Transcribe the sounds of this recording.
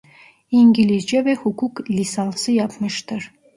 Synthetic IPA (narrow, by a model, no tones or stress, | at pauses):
iŋɡʲilʲizd͡ʒeβehukuklʲisɑlˠsɯjɑpmɯʃt̪ɯɾ